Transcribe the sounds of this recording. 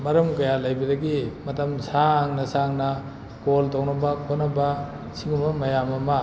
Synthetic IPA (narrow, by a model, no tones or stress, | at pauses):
mɐɾɐmkɐjalajbɐdɐɡimɐtɐmsaŋnɐsaŋnɐ | koltownɐbɐkʰonɐbɐ | siŋumɐmɐjamɐmɐ